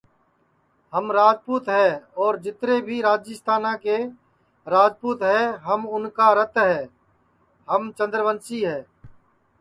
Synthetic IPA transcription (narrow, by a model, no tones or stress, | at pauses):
həmɾaːd͡ʒpuːt̪ɦɛːɔːɾd͡ʒɪt̪ɾeːbʱiːɾaːd͡ʒɪst̪aːnãːkeː | ɾaːd͡ʒpuːt̪ɦɛːɦəmʊnkaːɾət̪ɦɛː | ɦəmt͡ʃə̃nd̪ɾʋənsiːɦɛː